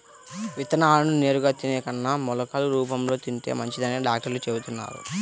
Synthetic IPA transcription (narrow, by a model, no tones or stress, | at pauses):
ʋit̪ɐnaaːnune̞ːɾuɡaːt̪inɛːkɐnːaːmɔlɐkaːluɾuːpɐmlo̞ːt̪iɳʈḛːmɐɲt͡ʃid̪ɐneːɖaːk̚ʈɐɾlut͡ʃeːbut̪unːa̰ːɾṵ